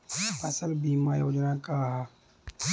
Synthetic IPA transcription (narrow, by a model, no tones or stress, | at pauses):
pɐsəlbiːmaːjoːd͡ʒnakaːɦa